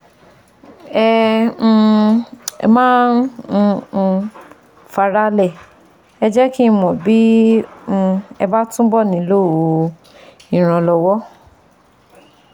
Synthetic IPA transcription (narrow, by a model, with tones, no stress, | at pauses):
ɛ̃˦˧ | mãː˦n̩˧ | fa˧ɾa˦lɛ˦˨ | ɛ˧d͡ʒɛ˦ki˦˧mɔ̃˨bĩ˨˦˧ | ɛ˧ba˦tũ˦bɔ˦˨nĩ˨˦lo˦˨o˨˧ | ĩ˨ɾ̃ã˧lɔ˧wɔ˦